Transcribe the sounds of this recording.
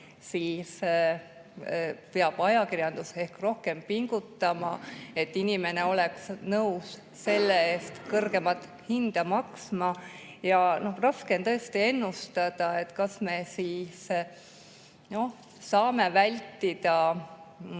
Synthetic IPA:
siːs | peɑb̥ɑjɑkirjɑnd̪̥use̞hkro̞hke̞mpiŋɡ̥ut̪ːɑmɑ̰e̞t̪ːinime̞ne̞o̞le̞ksnɤuws | sːe̞lːeeːst̪kɤrɡe̞mɑt̪ːhind̪̥ɑmɑksmɑ | jɑno̞hrɑskent̪ɤe̞st̪ie̞nːust̪ɑd̪̥ɑe̞t̪ːkɑsme̞siːs | no̞h | sɑːme̞vælʲt̪ːid̪̥ɑ

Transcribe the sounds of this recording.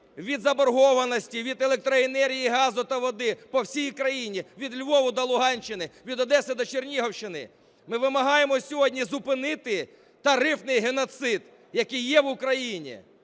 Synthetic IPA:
ʋʲid̪zɐbɔrɦɔʋɐnɔsʲtʲiʋʲid̪elˠek̚t̪ɾɔenɛɾʲɦʲijiɦɑzʊt̪ɐʋɔd̪ɪpɔwsʲijkɾɐjinʲiʋʲid̪lʲʋɔʋʊd̪ɐlˠʊɦɑnʲt͡ʃːɪnɪʋʲid̪ɔd̪ɛsɪd̪ɔt͡ʃernʲiɦɔwʃt͡ʃɪnɪ̰ | mɪʋɪmɐɦɑjemɔsʲɔɦɔdʲnʲizʊpɪnɪt̪ɪ | t̪ɐɾɪfnɪjɦenɔt̪sɪd̪ | jɐkɪjːɛʋʊkɾɐjinʲḭ

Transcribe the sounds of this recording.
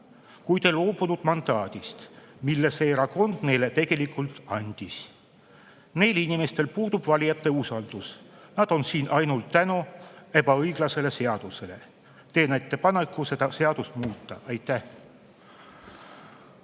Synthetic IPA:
kujt̪elo̞ːbunud̪̥mɑnd̪̥ɑːd̪̥ist̪milːeseɾɑko̞nd̪̥ne̞jle̞t̪e̞ɡ̥e̞likːˑult̪ˑɑnʲd̪̥is | ne̞jlinʲime̞st̪e̞lpuːd̪̥ub̥vɑlʲijɑt̪ˑːe̞usɑld̪̥usnɑd̪̥o̞nsiːnʔɑjnult̪ːænue̞bɑɤjɡ̥lɑse̞le̞se̞ɑd̪̥usele | t̪e̞ːnet̪ːˑe̞pɑne̞kːˑuse̞d̪ɑse̞ɑd̪usmuːt̪ˑːɑʔɑjt̪ˑːæh

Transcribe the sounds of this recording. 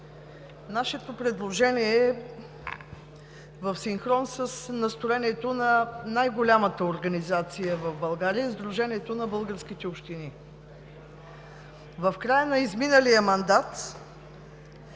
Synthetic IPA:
naʃɛt̪opɾɛd̪lˠoʒɛniɛ | vəfsiŋxɾɔnsəsnɐst̪oɾɛniɛt̪onɐnajɡolʲamət̪əoɾɡənizat̪sijəvəvbɐlˠɡaɾiəizd̪ɾuʒɛniɛt̪onɐbɤlˠɡəɾskit̪ɛopʃt̪ini | vəfkɾajənɐizminəlijəmɐnd̪at̪

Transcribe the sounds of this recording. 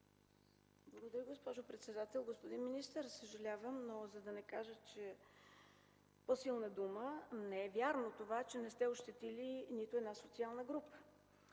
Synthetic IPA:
blˠəɡod̪ɐɾiɡospɔʒopɾɛt̪sɛd̪at̪ɛlˠɡospod̪inminist̪əɾsəʒɐlʲavəmnozɐd̪ɐnɛkaʒət͡ʃɛ | posilˠnəd̪umənɛɛvʲjaɾnot̪ovat͡ʃɛnɛst̪ɛoʃt̪ɛt̪ilinit̪ʊɛd̪nasot̪sialˠnəɡɾupə̥

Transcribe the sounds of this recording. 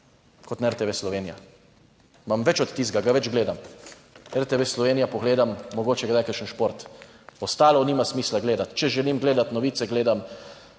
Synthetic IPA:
kɔt̪nɛɾt̪eʋeslɔʋeːnija | mamʋɛt͡ʃɔt̪t̪ːiːzɡaɡaʋɛd͡ʒɡleːd̪am | ɛɾt̪eʋeslɔʋeːnijapɔɡleːd̪amːɔɡoːt͡ʃɛɡd̪ajkəɾʃənʃpoɾt̪ | ɔst̪aːlɔniːmasmiːslaɡleːd̪at̪t͡ʃɛʒɛliːmɡleːd̪at̪nɔʋiːt̪sɛɡleːd̪am

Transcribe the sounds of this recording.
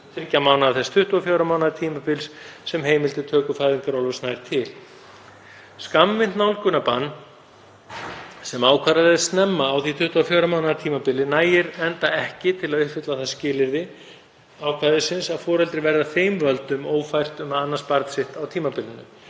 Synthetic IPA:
fɪr̥camawnaðaθɛst̪ʰʏht̪uafjoːwɾamawnaðɾt̪ʰiːmapɪlssɛmɦeːjmɪlt̪ɪt̪ʰœːkʏfajðiŋkaɾɔwlvɛsnajɾ̥t̪ʰɪl | skamvɪnt̪nawlkʏnapanː | sɛmaːwkʰvaɾaðɪst̪nɛmːaːwθit̪ʰʏht̪uafjoːwɾamaːwnaðaɾt̪ʰiːmapɪlːɪnaːjɪɾɛnt̪aɛhcɪt̪ʰɪlaðʏht̪fɪt̪laθaðscɪːlɪɾðɪ | awkʰvaðɪsɪnsaðfɔːɾɛlt̪ɾɪvɛɾðaθeːjmvœlt̪ʏmoːwfajr̥t̪ʏmaanːanspaɾt̪sɪht̪awt̪ʰiːmapɪlːɪnʏ̰

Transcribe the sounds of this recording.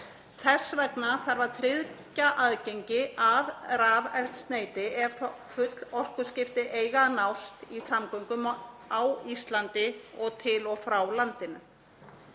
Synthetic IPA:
θɛsːvɛknaθaɾvaɾt̪ʰɾɪðcaʔaðcejɲcɪʔaðɾaːvɛr̥t̪st̪neːjt̪ɪɛɾfʏt̪lɔr̥kʏscɪft̪ɪʔeːjɣanawst̪isamkœŋkʏm | awist̪lant̪ɪɔɣt̪ʰɪlɔɣfɾawlant̪ɪnʏ

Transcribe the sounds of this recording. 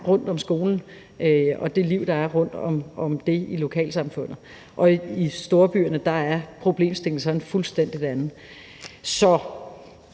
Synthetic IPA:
ʁɔ̽n̰d̥ɒ̽msɡ̥o̝ːln̩ | øɒ̽d̥e̝liʊ̰d̥ɑ̈æɐʁɔ̽n̰d̥ɒ̽mɒ̽md̥e̝ilo̝kʰɛ̰ːlsɑ̈mfɔ̽n̰ð̩ˠ | ʔɒ̽isd̥o̝ːɐb̥y̰ɐnəd̥ɑ̈æɐpʰʁo̝b̥le̝̰ːmsd̥e̝ŋ̩sɒ̽nfulsd̥en̰d̥id̥ænð̩ˠ | sɒ̽

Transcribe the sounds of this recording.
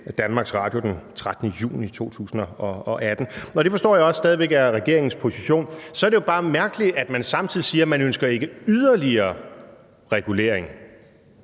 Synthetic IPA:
d̥ænmɑ̈ːɡ̥sʁɑ̰̈ːd̥jo̝d̥ent͡sʰʁad̥nəjṵːnit͡sʰo̝̰ːt͡sʰṵːsn̩ɒɒ̽ɒ̽ʔæd̥n̩ɒ̽ɾ̥e̝fɒ̽sd̥ɔ̰ːjaɒ̽ssd̥ɛːð̞ˠiʋeɡ̥æʁɛɡ̥e̝̰ɐe̝ŋn̩spʰo̝siɕo̝̰ːnsɒɐd̥ejo̝b̥ɑ̈ːmæɐɡ̥əlid̥æd̥mænsɑ̈mt͡sʰiðˠisiːɐmænønsɡ̥ɐe̝ɡ̥əyð̞ˠɐliɐː | ʁɛɡ̥ule̝̰ːɐeŋ

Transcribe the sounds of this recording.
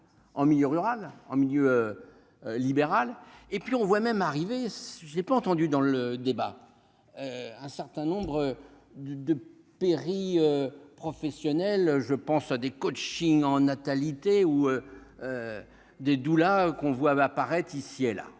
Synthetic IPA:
ɑ̃miljøʁyʁalɑ̃miljø | libeʁalepɥiɔ̃vwamɛmaʁivesʒəlɛpaɑ̃t̪ɑ̃d̪yd̪ɑ̃ləd̪eba̰ | øɛ̃sɛʁt̪ɛ̃nɔ̃bʁə | d̪d̪ə | peʁiøpχɔfɛsjɔnɛlʒəpɑ̃sad̪ekot͡ʃiŋɑ̃nat̪alit̪euøø | d̪ed̪ulakɔ̃vwaːpaʁɛt̪χisiela̰

